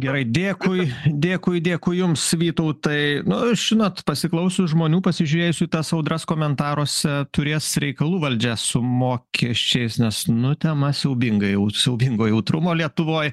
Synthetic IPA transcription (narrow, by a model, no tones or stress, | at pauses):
ɡʲɛɾɐɪd̪ʲeːkʊɪd̪ʲeːkʊɪd̪ʲeːkʊɪjʊmsʋʲiːt̪oʊt̪ɐɪnʊʒ̥ʲɪnoːt̪pɐsʲɪklˠɐʊsʲʊʒmoːnʲuːpɐsʲɪʒʲuːɾʲeːjʊsʲʊit̪ɐsɐʊd̪rɐskoːmʲɛnt̪ɑːɾoːsʲɛt̪ʊɾʲeːsɾʲɛɪkɐlˠuːʋɐlʲd͡ʒʲæsʊmoːkʲʰiɛʃʲt͡ʃʲɛɪsnʲɛsnʊt̪ʲɛmɐsʲɛʊbʲɪŋɡɐjɛʊsʲɛʊbʲɪŋɡoːjɛʊt̪ɾʊmoːlʲiɛt̪ʊʋoːj